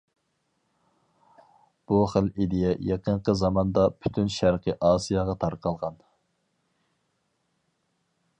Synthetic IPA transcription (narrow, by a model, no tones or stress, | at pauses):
b̥uχəlid̪ɪjɛjɑqəɴqəzɑmɑnd̪ɑpʰy̥t̪ʰynʃæɾqʰəʔɑːsijɑʁɑt̪ʰɑɾqʰɑlˠʁɑn